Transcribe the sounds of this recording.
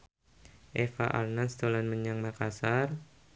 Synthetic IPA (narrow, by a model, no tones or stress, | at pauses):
ʔefaʔa̰lnanst̪olanməɲaŋmakasar